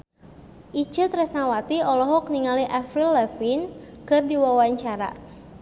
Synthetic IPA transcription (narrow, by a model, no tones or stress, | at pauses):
ʔit͡ʃət̪rɛsnawat̪iɔlɔɦɔk̚niŋaliʔafɾilːɛfinkɨrdiwawaɲt͡ʃaɾa̰